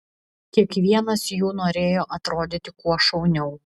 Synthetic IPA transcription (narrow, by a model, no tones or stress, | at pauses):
kʲiɛkʋʲiɛnɐsjuːnoːɾʲeːjoːʔɐt̪ɾoːd̪ʲɪt̪ʲɪkuɔʃɐʊnʲɛʊ